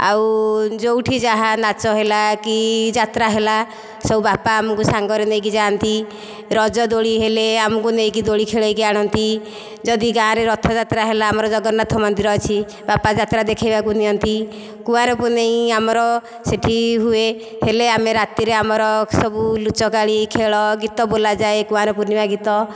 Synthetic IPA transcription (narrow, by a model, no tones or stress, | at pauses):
a̰wd͡ʒowʈʰid͡ʒaɦanat͡ʃɔɦelakid͡ʒat̪ɾaɦela | sɔubapaːmɔkusaŋɡɔɾenej̃k̬id͡ʒant̪i | ɾɔd͡ʒɔd̪oɽiɦeleamɔkunej̃k̬id̪oɽikʰeɭajkeaɽ̃ɔnt̪i | d͡ʒɔd̪iɡãɾeɾɔt̪ʰɔd͡ʒat̪ɾaɦelaːmɔɾɔd͡ʒɔɡɔnat̪ʰɔmɔnd̪iɾɔet͡ʃʰi | bapad͡ʒat̪ɾad̪ekʰajbakuniɔnt̪i | kũaɾɔpuneĩamɔɾɔ | seʈʰiɦue | heleameɾat̪iɾeamɔɾɔsɔbulut͡ʃɔkaɭikʰeɭɔɡit̪ɔbolad͡ʒaekũaɾɔpunimaɡit̪ɔ